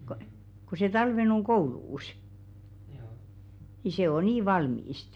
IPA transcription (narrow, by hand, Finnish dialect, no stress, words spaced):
ko ku se tɑlʋen oŋ ɡ̊ouluːs ni se o niː ʋɑlmiːst